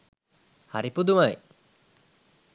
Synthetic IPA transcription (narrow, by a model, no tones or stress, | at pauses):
ha̰ɾipud̪umaj